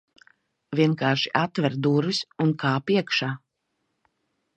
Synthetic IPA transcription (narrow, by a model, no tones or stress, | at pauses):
vʲiɛnkaːʃi̥ʔat̪vɛɾd̪uɾisunkʰaːpiɛkʃaː